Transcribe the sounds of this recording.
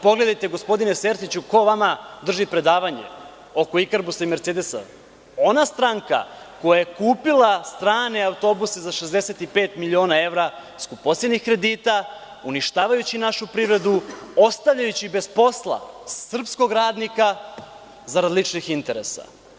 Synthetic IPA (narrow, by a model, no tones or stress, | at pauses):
po̞ɡle̞d̪ajt̪e̞ɡo̞spo̞d̪ine̞seɾsit͡ɕuko̞ʋamad̪r̩ʒipɾe̞d̪aːʋaɲe̞̰ | o̞ko̞ikaɾbusaimeɾt̪seːd̪e̞sa̰ | o̞nast̪ɾaŋka̰ | ko̞jaje̞kuːpilˠast̪ɾaːne̞awt̪o̞busezaʃezd̪eset̪ipeːt̪milʲio̞ːnae̞ʋɾa | skubpo̞sed̪nixkɾe̞d̪iːt̪a | uniʃt̪aːʋajut͡ɕinaʃupɾiʋɾe̞d̪uo̞st̪aʋʎajut͡ɕibe̞zpo̞slˠa̰sr̩psko̞ɡɾaːd̪nika | zaɾad̪lˠit͡ʂnixint̪e̞ɾesa̰